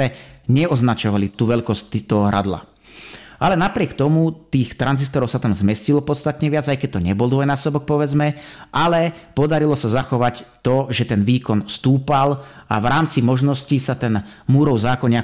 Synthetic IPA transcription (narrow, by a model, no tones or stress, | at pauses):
ɛɲɛɔznat͡ʃɔʋalit̪uːʋɛʎkɔsct̪it̪ɔɦɔɾa̰d̪la̰ | ʔalɛnapɾɪɛkt̪ɔmut̪iːxt̪ɾanzist̪ɔɾɔʊsat̪amzmɛscilɔpɔt̪st̪at̪ɲɛʋɪad͡zajkɛc̚t̪ɔɲɛbɔlˠd̪ʋɔjnaːsɔbɔk̚pɔʋɛd͡zmɛʔalɛpɔd̪aɾilɔsazaxɔʋact̪ɔʒɛt̪ɛnʋiːkɔnst̪uːpala̰ʋɾaːmt͡simɔʒnɔscisat̪ɛnmuːɾɔʊzaːkɔɲɪa